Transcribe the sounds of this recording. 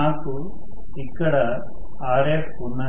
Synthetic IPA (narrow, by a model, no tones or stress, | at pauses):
naːku | ikːɐɽɐ | aːɾeːkunɐ